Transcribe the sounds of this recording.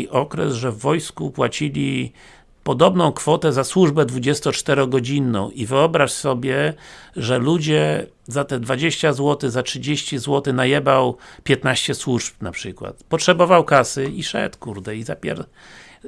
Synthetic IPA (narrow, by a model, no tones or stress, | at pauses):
iʔɔkɾɛ̰zʐɛvːɔjskupwat͡ɕilʲi | pɔd̪ɔbnɔ̃w̃kfɔt̪ɛzaswuʐbɛd̪vud͡ʑɛst̪ɔt͡ʂt̪ɛɾɔɡɔd͡ʑinːɔ̰̃w̃ivɘɔbɾaʂsɔbʲjɛʐɛlud͡ʑɛ | zat̪ɛd̪vad͡ʑeɕt͡ɕazwɔt̪ɘzatʂɘd͡ʑeɕt͡ɕizwɔt̪ɘnajɛbawpʲjɛt̪naɕt͡ɕɛswuʐpnapʂɘkwa̰t̪pɔtʂɛbɔvawkasɘiʂɛ̰t̪kuɾd̪ɛizapʲɛ̰ɾ